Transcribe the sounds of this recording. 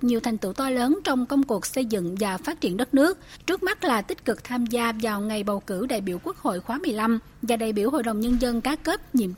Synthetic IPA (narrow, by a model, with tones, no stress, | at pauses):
ɲi˨˩əwt̪ʰɛ˨˩ŋ̟t̪ɨ̰˧˩t̪ɔ˧ləː˨˦nt͡ɕɔ˧wŋ͡mkə˧wŋ͡mku˨˩ək̚sə˧jzɨ̰˧˨ŋvaː˨˩faː˦˥t̚t͡ɕi˧˩ənɗə˦˥t̚nɨ˦˥ək̚t͡ɕɨ˦˥ək̚ma˦˥t̚laː˨˩t̪ï˦˥k̟̚kɨ˨˩k̚t̪ʰaː˧mzaː˧vaː˨˩wŋa˨˩jɓə˨˩wkɨ˧˩ɗa̰ː˧˨jɓi˧˨əwku˦˥ək̚ho̰˧˨jxwaː˨˦mɨ˨˩əjla˧m | vaː˨˩ɗaː˧˩jɓi˧˩əwho̰˧˨jɗə˨˩wŋ͡mɲə˧nzə˧nkaː˨˦ke˦˥p̚ɲḭ˧˨əm